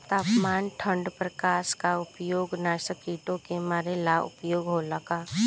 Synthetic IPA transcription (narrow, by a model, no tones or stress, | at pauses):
t̪aːpmaːnʈʰə̃ɳɖpɾəkaːskaʊpjoːɡnaːsəkiːʈõkemaːɾelaʊ̰pjoːɡɦoləka